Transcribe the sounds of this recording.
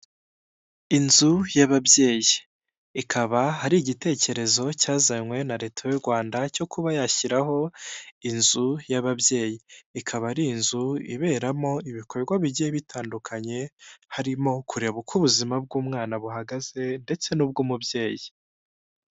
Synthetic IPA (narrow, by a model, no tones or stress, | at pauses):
inzujaβabje̞ːjiː | kʰaβahaɾiɟite̞ːce̞ɾe̞zo̞caːzaɲwe̞naɾe̞ːtʰajuɾɡwaːndaco̞kʰuβajaçiɾaɦo̞inzujaβabje̞ːjiːkʰaβaɾinzuḭβe̞ːɾamo̞iβikʰoɡwaβiɟieβitʰaːndukʰaɲe̞haɾimo̞kʰuɾe̞βukʰuβuzimab̚ɡuːmŋaːnaβuɦaɡaz̥e̞nde̞t͡se̞nub̚ɡuːmubje̞ːji